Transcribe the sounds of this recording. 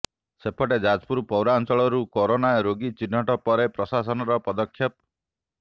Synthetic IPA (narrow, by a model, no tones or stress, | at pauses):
sepʰɔʈed͡ʒad͡ʒpuɾpɔwɾant͡ʃɔɭɔɾukɔɾonajɔɾoɡit͡ʃin̤ːɔʈɔpɔɾepɾɔsasɔnɔɾɔpɔd̪ɔkʰjɔp